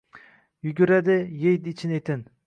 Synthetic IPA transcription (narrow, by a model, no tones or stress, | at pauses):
jʊɡʲʊɾad̪ɪjejd̪ɪt͡ʃʰɪnet̪ʰɪn